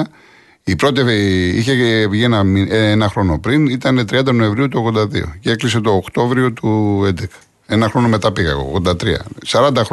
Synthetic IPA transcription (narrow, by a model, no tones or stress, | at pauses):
ipɾo̞t̪iḭçeʝienɐmieenɐxɾo̞no̞pɾinit̪ɐne̞t̪ɾiɐnd̪ɐno̞e̞ɱvɾiut̪uoɣðod̪ɐðḭo̰ce̞klise̞t̪o̞ːkt̪o̞vɾio̞t̪uend̪ekɐ̥ | enɐxɾo̞no̞me̞t̪ɐpiɣɐ̰ɣo̰ɣðo̞nd̪ɐt̪ɾiɐ̰sɐɾɐnd̪ɐxɾ